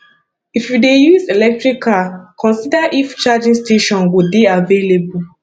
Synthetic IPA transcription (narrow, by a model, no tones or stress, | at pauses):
ifjudejuzelɛk̚tɹikʰːakʰɔ̃nsidaʔift͡ʃad͡ʒĩŋsteʃɔ̃nwubiavelebu